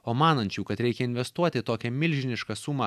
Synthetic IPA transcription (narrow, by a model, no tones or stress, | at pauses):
oːmɑːnɐnʲt͡ʃʲuːkɐt̪ɾʲɛɪkʲɛɪnʲʋʲɛst̪uɔt̪ʲɪt̪oːkʲɛmʲɪlʲʒʲɪnʲɪʃkɐsuːmɐ